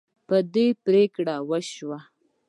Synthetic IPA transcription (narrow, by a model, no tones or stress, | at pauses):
pəd̪epɾekɽawəʃwa